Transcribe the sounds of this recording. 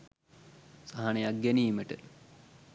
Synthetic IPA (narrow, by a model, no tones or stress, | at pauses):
saɦanejak̚ɡæniːməʈə